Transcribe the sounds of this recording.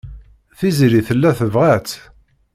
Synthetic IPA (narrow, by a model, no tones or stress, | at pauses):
θiziɾiθəlːæθəvʁæt͡s̪